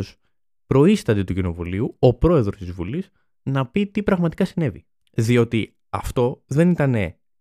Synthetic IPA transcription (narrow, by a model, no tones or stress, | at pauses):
s | pɾo̞ist̪ɐd̪et̪ucino̞vuliuopɾo̞e̞ðɾo̞st̪izvuliz | nɐpit̪ipɾɐɣmɐt̪i̥kɐsine̞vḭ | ðio̞t̪i | ɐ̰ft̪o̞ðe̞nit̪ɐne̞